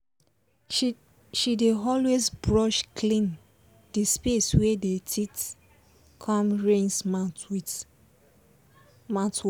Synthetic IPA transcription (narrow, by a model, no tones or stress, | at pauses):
ʃideɔlwezbɹɔʃkʰlĩn | dispeswedetʰit | kʰɔ̃mɹẽnsmatwi | mãt